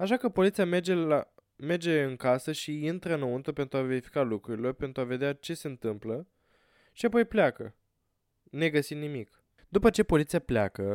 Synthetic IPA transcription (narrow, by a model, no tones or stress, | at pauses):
aʃakəpo̞lit̪siamed͡ʒea | me̞rd͡ʒe̞ɨŋkasəʃiint̪ɾəɨnount̪upent̪ɾuave̞ɾifi̥kalukɾuɾilo̞rpe̞nt̪ɾuave̞d̪eat͡ʃe̞se̞ɨnt̪ɨmplə | ʃiapo̞jplʲakə̰ | ne̞ɡəsit̪nimik | d̪upət͡ʃe̞po̞lit̪sijaplʲa̰kə